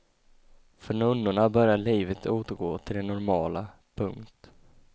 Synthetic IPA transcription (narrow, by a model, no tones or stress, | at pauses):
fœɳɵnːʊɳabœɾjaɭiːvət̪ʰoːt̪əɾɡoːt̪ʰɪld̪ɛnɔɾmɑːla | pʰɵŋkt̪